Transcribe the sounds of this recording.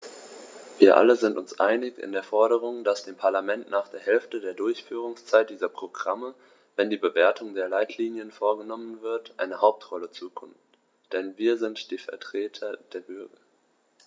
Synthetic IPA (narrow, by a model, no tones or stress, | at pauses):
viːɐʔa̰ləzɪntʊnsʔa̰ɪnɪçɪ̰ndeːɐfɔɐɾəʁ̞ʊŋd̥asd̥eːmpʰaɐlamɛntnaːχd̥eːɐɦɛlftədeːɐdʊɐçfyːʁ̞ʊŋst͡saɪt̚d̥iːzɐpʁ̥oɡʁamə | vɛndiːbəveːɐtʰʊŋdeːɐlaɪtʰliːnjənfoːɐɡənɔmənvɪɐtʔa̰ɪnəhaʊp̚tʁ̥ɔlət͡suːkʰʊmt | d̥ɛnviːɐzɪntd̥iːfɛɐtʁ̥eːtʰɐd̥eːɐbʏɐɡɐ